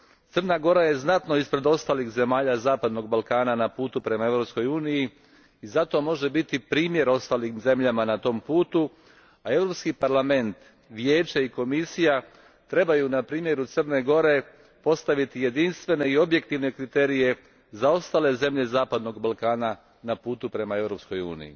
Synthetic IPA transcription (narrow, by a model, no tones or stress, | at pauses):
t̪sər̩naɡo̞ɾaje̞znat̪no̞ispɾe̞d̪o̞st̪aːlixze̞maːʎazaːpad̪no̞ɡ̚balˠkaːnanapuːt̪upɾe̞mae̞vɾo̞psko̞juːniji | izat̪o̞mo̞ʒe̞bit̪ipɾiːmje̞ɾo̞st̪aːlimze̞mʎamanat̪o̞ːmpuːt̪u | ae̞ʋɾo̞pskipaɾlame̞nt̪ | ʋje̞ːt͡ʃaiko̞misija | t̪ɾe̞bajunapɾiːmje̞ɾut̪sərne̞ɡo̞ɾe̞ | po̞st̪aʋit̪ije̞d̪inst̪ʋe̞ne̞io̞bje̞k̚t̪iʋne̞kɾit̪eːɾije̞ | zao̞st̪aːle̞ze̞mʎe̞zaːpad̪no̞ɡbalkaːna | napuːt̪upɾe̞mae̞ʋɾo̞psko̞jṵːnḭjḭ